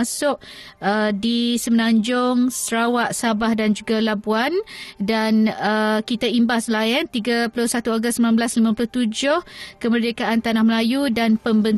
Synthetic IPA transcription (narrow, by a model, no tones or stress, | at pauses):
asʊʔədisəmənãɲd͡ʒʊŋsəɾawaʔsabahdand͡ʒuɡalabuandanəkit̪aimbahslaənt̪iɡapulʊsat̪uaɡʊst̪səmnanbəlaslimãpulʊt̪ud͡ʒʊhkəmərdekaʔant̪anahməlajudanpəmbən